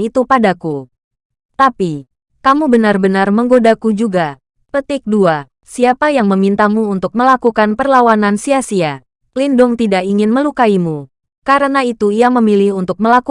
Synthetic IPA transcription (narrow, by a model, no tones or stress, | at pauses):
it̪upadaku | t̪api | kamubənarbənarməŋɡodakud͡ʒuɡa | pət̪ɪk̚dua | siapajaŋməmint̪amuːnt̪ʊk̚məlakukanpərlawanansiasia | lindʊŋt̪idaʔiŋɪnməlukaimu | kaɾənait̪uiaməmilɪhunt̪ʊk̚məlaku